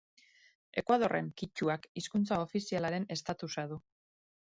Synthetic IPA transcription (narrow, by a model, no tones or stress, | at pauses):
e̞kwað̞o̞rʔe̞̰ŋkit͡ʃuakiskunt͡saofisialaɾe̞ne̞st̪at̪usaðu